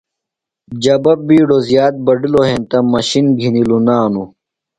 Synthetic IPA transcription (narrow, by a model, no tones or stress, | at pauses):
d͡ʑɐbɐbiːɖozjaːt̪̚bɐɖiloɦẽnt̪ɐmɐɕinɡʱinilunaːnu